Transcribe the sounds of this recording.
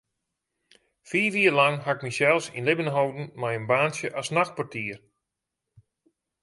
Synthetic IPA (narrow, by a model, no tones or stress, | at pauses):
fiːʋiərlaŋɦaɪk̚misɛlˠfsinlɪbənɦowdn̩majənbaːnsjəʔasnaxpartʰiːər